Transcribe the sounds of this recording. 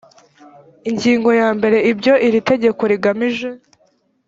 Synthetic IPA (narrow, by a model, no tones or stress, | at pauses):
iɲɟiːŋɡo̞jaːmbe̞ɾe̞ibɟo̞ʔiɾite̞ɟe̞ko̞ɾiɡamiʒe̞